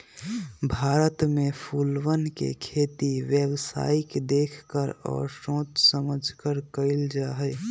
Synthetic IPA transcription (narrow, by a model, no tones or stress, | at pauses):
bʱaːɾət̪mẽpʰuːlwənkḛkʰeːt̪iwjewsa̰ːikd̪eːkʰkəɾɔ̰ːɾsõːt̪səməd͡ʒʱkəɾkəɪld͡ʒaːɦəj